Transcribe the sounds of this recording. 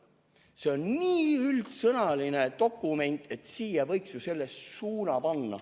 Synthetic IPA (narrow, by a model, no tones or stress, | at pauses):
se̞onniːylt̪sɤnɑline̞t̪o̞kːˑume̞nʲt̪ˑe̞t̪ˑsiːjɑvɤjksjuse̞lːe̞ssuːnɑpɑnːɑ̰